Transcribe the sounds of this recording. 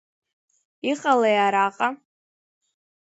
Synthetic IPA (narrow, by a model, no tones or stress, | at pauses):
iqʼalajaɾaqʼa